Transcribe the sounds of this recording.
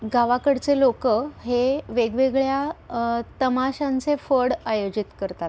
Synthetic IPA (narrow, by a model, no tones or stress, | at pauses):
ɡaʋakəɽt͡selokəɦeʋeɡʋeɡɭja | t̪əmaɕãnt͡sefəɽajod͡ʑit̪kəɾt̪at̪̚